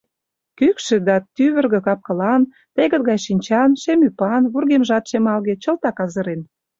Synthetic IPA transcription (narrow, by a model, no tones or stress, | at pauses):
kykʃĕd̪ɑt̪yβə̆rɣĕkɑp̚kɤ̆lɑn | t̪eɣə̆t̪̚ɣɑjʃinʲt͡ɕɑnʃemypɑnβurɣemʒɑt̪ʃemɑlɣet͡ɕə̆lt̪ɑkɑzə̆ɾen